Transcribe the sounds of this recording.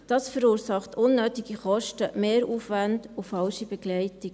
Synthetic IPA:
d̥ɑːsfəɾuːɾsɑχtʰʊnːøːtiɡiχɔʃtəmeːɾuːfvændʊfɑlʃibɛɡ̥lɛɪtɪɡ

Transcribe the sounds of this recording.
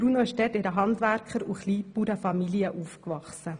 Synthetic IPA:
b̥ɾuːnoɪʃtɛtɪɾəɦɑndʋæɾkχəɾuχliːpuɾəfɑmiliəʔufkʋɑχsə

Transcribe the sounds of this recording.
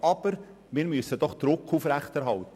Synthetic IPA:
ɑb̥əɾ | mɪːɾmysːəd̥ɔχd̪̥ɾʊkʰːufɾæχtɛɾɦɑltə

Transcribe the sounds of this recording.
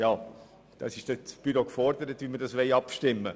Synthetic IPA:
jɑː | d̥ɑ̰sɪʃd̥ɛb̥yɾokfɔrd̥̪əɾət̪ʋimədɑsʋɛɪɑpʃtɪmːə

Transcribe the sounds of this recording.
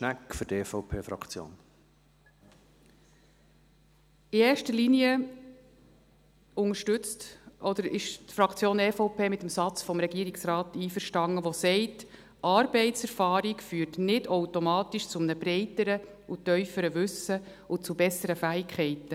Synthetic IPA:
ʃnækfʏɾdefoʊpʰeːfɾɑ̰kt͡sjo̰ːn | ieːʃtəliniə | ʊŋəʃtʉt͡stʔɔd̪əɾɪ̰ʃtfɾɑkt͡sjoːneːfoʊpʰeːmɪt̪əmsɑt͡sfɔmɾɛɡiəɾiksɾɑːtiːfəɾʃtɑŋːəʋosɛɪt | ʔɑːɾbɛɪtsɛɾfɑːɾikfyːɾtnɪdowtomɑːtiʃt͡sʊmnəbɾɛɪtəɾə | utœʏfəɾəʋʉsə | ʊt͡subɛsəɾəfæːikχɛɪtə

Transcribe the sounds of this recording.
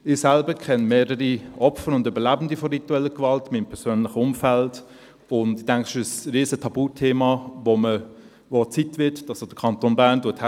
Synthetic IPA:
ɪsælbəkʰɛnmeːɾəɾiʔɔpfəɾʊndybəlæbən̩difɔʁituɛlːəkvɑltmiːmpʰɛɐsøːnlɪχəʊmfælt | ʊndɪd̥æŋkχɪʃəsʁiːsətʰɑb̥uːtʰeːmɑʋomə | vot͡sitvɪtdɑsod̥əkʰɑntoːnbæːʁnduəthɛ

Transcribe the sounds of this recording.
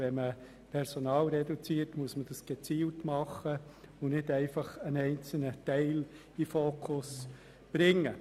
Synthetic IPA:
vɛmə | pʰɛɾsonɑːlɾɛdut͡siːtmuəsməd̥ɑsɡ̥ɛt͡siːltmɑχːəʊnɪdɛɪfɑχənɛɪnt͡sl̩nətɛɪl | ifoːkʰʊs | b̥ɾɪŋːə

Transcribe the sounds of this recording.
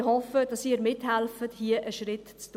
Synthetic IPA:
hɔfəd̥ɑsiːɾmɪthælfəthiəʔəʃɾɪtt͡st

